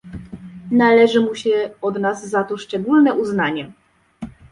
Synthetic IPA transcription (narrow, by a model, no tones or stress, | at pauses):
nalɛʐɘmuɕɛɔd̪nazːat̪ɔʂt͡ʂɛɡulnɛʔuznaɲɛ